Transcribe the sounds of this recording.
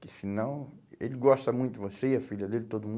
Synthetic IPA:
kɪsinɐ̃w̃elɪɡɔst̪ɐmũj̃t̪ʊd̪ɪvoseiɐfiʎɐd̪elɪt̪od̪ʊmũ

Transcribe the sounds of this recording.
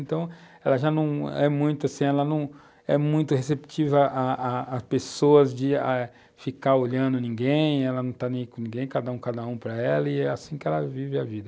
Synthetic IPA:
nt̪ɐ̃w̃ | ɛlɐʒanɐ̃w̃ɛmũj̃t̪ʊasĩɛlɐnɐ̃w̃ | ɛmũj̃t̪ʊhesep̚t͡ʃivɐʔaaːspesoɐzd͡ʒɪa | fikaɾoʎɐ̃nd̪ʊnĩɡẽj̃ɛlɐnɐ̃w̃t̪anẽj̃kõnĩɡẽj̃kad̪ɐũkad̪ɐũpɾɐɛlɐɪɛasĩkɪɛlɐvivɪavid̪ɐ

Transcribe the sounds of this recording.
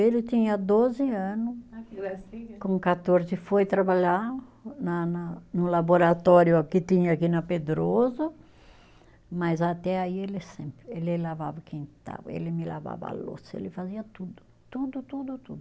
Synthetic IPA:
elɪt̪ĩɲɐd̪ozɪɐ̃nʊs | kõkat̪oɾzɪfojt̪ɾabaʎanɐnɐnʊlaboɾat̪ɔɾjʊakɪt̪ĩɲɐakinɐped̪ɾozɐ | mazat̪ɛaielɪsẽmpɾɪelɪlava̰vɐkẽnt̪a̰v̰ḛlɪmɪla̰va̰vɐa̰lo̰sḛlɪfaziɐt̪ud̪ʊ̥ | t̪ud̪ʊt̪ud̪ʊt̪ud̪ʊ

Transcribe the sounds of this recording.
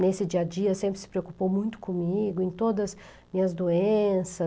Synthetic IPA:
nesɪd͡ʒiɐd͡ʒiɐsẽmpɾɪ̥sɪ̥pɾeokupowmũj̃t̪ʊ̥kõmiɡʊẽj̃t̪od̪ɐz | mĩɲɐzd̪oẽsɐ

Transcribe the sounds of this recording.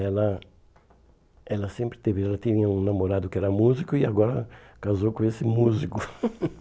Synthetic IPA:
ɛlɐ | ɛlɐsẽmpɾɪ̥t̪evɪɛlɐt̪ĩɲɲɐũnamoɾad̪ʊkɪɛɾɐmuzikʊiaɡɔɾɐkazowkõesɪmuzikʊ

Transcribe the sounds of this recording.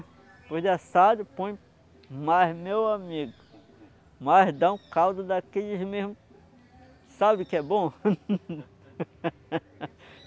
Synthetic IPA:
pohd̪ɪasad̪ɪpõj̃ | majzmewamiɡʊ | majɦd̪ɐ̃w̃kawd̪ɐd̪akeʎɪzmeɦmʊ | sabɪkɪɛbõ

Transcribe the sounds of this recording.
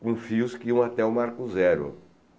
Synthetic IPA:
kõfiʊskɪiɐ̃w̃at̪ɛʊmaɾkʊzɛɾʊ̰

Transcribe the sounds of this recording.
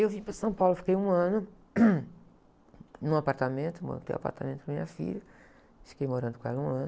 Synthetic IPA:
ewvĩpɾɐsɐ̃w̃pawlʊfi̥kejũɐ̃nʊ | nũapaɾt̪amẽnt̪ʊmõ̰t̪ḛ̃j̃a̰pa̰ɾt̪amẽt̪ʊ̥kɐmĩɲɐfḭʎɐ | fi̥kejmoɾɐ̃nd̪ʊkõɛlɐũɐ̃n

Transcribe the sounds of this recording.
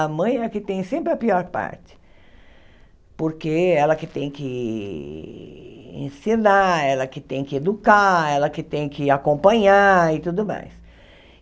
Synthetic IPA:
ɐmɐ̃j̃ɛkɪt̪ẽj̃sẽmpɾɪɐpiɔɾpa̰ɾt͡ʃɪ̥ | poɾkeɛlɐkɪt̪ẽj̃kɪ | ḛ̃sinaɛlɐkɪt̪ẽj̃kɪed̪ukaɛlɐkɪt̪ẽj̃kɪakõpɐ̃ɲaɪt̪ud̪ʊma̰js

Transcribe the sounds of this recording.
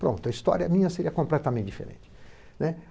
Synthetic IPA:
pɾõ̰nt̪ʊɐist̪ɔ̰ɾɐmĩɲɐseɾiɐkõmplɛt̪ɐmẽt̪d͡ʒifḛɾḛ̃nt͡ʃɪ | nɛ

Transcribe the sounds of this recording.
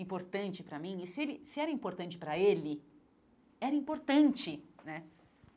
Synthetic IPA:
ĩpoɾt̪ɐ̃nt͡ʃɪpɾɐmĩɪsɪelɪsɪɛɾɐĩmpoɾt̪ɐ̃nt͡ʃɪ̥pɾɐelɪ | ɛɾɐĩmpoɾt̪ɐ̃nt͡ʃɪnɛ

